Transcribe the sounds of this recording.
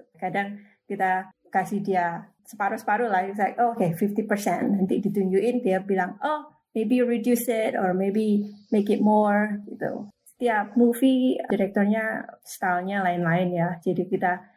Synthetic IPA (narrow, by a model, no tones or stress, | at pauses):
kadaŋ | kit̪a | kasɪhdia | sə̥paɾusə̥paɾulasakokefift̪ipərsɛ̰nnant̪ḭdit̪uɲd͡ʒuʔɪnd̪iabilaŋo | mebiɾidjusɪt̪ɔrmebimekɪt̪̚mɔrɡit̪ṵsə̥t̪iap̚mufidiɾɛk̚t̪ɔrɲast̪alɲalaɪnlaɪnjad͡ʒadikit̪a